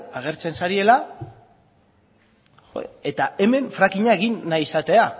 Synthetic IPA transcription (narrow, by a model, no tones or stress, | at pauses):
aɣ̞e̞ɾt͡se̞nsaɾie̞la | oe̞t̪ae̞me̞ɱfɾakiɲae̞ɣ̞inːajisat̪e̞a